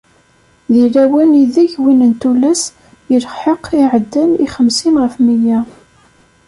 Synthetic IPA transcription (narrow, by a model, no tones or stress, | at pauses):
ðilæwæniðæçwinənt̪ulæs | jəlfħəqiʕəd̪ːæniχəmsinʁəfmijæ